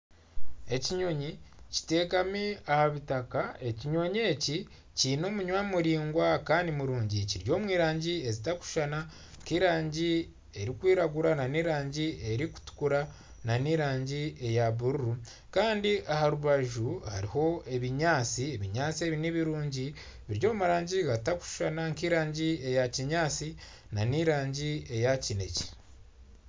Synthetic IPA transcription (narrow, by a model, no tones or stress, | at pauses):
e̞ciɲo̞ɲici̥te̞ːkamiahaβitakae̞ciɲo̞ɲe̞ci | cino̞ːmuɲwamuɾiːŋɡwakaːndimuɾuːɲɟiciɾjo̞ːmwiːɾaːɲɟie̞zitaku̥ʃana | ŋkiːɾaːɲɟi | e̞ɾikwiːɾaɡuɾananiːɾaːɲɟie̞ɾiku̥tu̥kuɾa | naniɾaːɲɟie̞jaβuɾuɾu | kaːndiʔahaɾuβaʒuha̰ɾiho̞e̞βiɲaːt͡sie̞βiɲaːt͡sie̞βiniβiɾuːɲɟi | βiɾɟo̞ːumuɾaːɲɟiɡataku̥ʃʃanaŋkiːɾaːɲɟie̞jaciɲaːt͡si | naniɾaːɲɟie̞jacine̞ce̥